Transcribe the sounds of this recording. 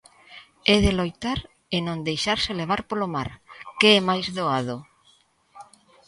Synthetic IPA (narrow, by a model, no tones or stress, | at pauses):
ɛðelojt̪aɾ | enõnd̪ejʃaɾsɪleβ̞aɾpolomaɾkeɛmajzðoað̞o